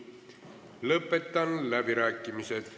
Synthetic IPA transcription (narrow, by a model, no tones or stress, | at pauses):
lɤpːˑe̞t̪ːˑɑnlæbiɾæːkːˑimiset̪